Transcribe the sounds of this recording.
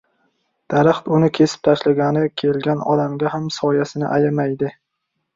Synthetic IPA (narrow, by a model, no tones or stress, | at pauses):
d̪̥aɾaχt̪ʊnɪkʲʰe̞sɪ̥p̚t̪ʰaʃlaɡʲanɪkʲʰe̞lɡʲanɒd̪amɡʲahamsɒjasɪnɪʔajamajd̪ɪ